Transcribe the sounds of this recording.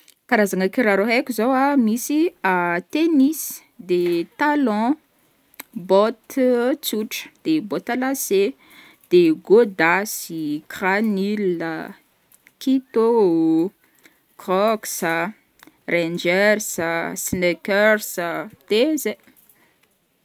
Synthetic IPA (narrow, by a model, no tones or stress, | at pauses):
kaɾazaŋəkiɾaɾoɦekʲuzowamisiat̪enis | d̪et̪alɔ̃ | bɔt̪t͡suʈ͡ʂə̥d̪̥ebɔt̪alase | d̪̥eɡod̪asikranilə̰ | kit̪ou | kɔksə | rend͡ʒɛrsəsnekɛrsəd̪̥eze